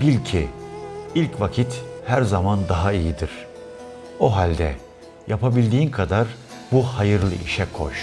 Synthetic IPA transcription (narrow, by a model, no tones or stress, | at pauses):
bilʲcʰi | ilʲcvacʰit̪hæɾzamand̪aɦaijid̪iɾ̥ | oɦalʲd̪ɛ̰ | japʰabilʲd̪iːnkʰad̪aɾbuhajɯɾlˠɯ̰ʔiʃɛkʰo̞̰ʃ